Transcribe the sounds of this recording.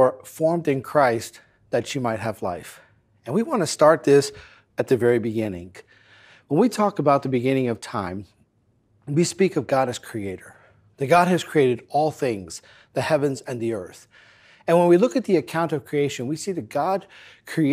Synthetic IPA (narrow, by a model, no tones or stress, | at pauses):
ə˞fɔɹmdɨ̃nkʰɹ̥aɪst̪̚ | ðɨtʃimaɪt̚ɦɨvla̰ɪf | ɨ̃nwiwɑ̃nɨstɑɹt̪̚ðɪs | ɨt̪̚ðɨvɛɹibɨɡɪ̃nɪ̰̃ŋ | wə̃nwitʰɔkəbaʊt̪̚ðəbɨɡɪ̃nɪ̃ŋʌv̥tʰãɪ̃m | wispikʌvɡɑɾɨz̥kʰɹ̥ieɪɾə˞ | ðɨt̚ɡ̥ɑɾ̚ɨz̥kʰɹ̥ieɪɾɨɾɔlˠθɪ̃ŋz̥ | ðɨhɛvɨ̃nzɨ̃nðiɜ˞θ | ɨ̃nwə̃nwilʊkɨt̪̚ðiɨkʰãʊ̃ntʌv̥kʰɹ̥ieɪʃɨ̃nwisiðɨt̚ɡ̥ɑd̚kʰɹ̥i